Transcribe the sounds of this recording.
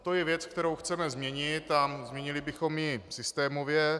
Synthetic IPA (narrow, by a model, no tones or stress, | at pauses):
t̪o̞jɛvjɛt͡sk̚t̪ɛɾowxt͡sɛmɛzmɲɛɲɪt̪ːazmɲɛɲɪlɪbɪxo̞mjɪsɪst̪ɛːmo̞vjɛ